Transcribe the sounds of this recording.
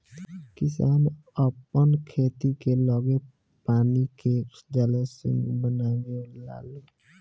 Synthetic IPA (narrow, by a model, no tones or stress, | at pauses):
kɪsaːnəpənkʰeːt̪ikeləɡe | paːniked͡ʒalesɪ̰̃ŋɡbənaːɡela̰ːle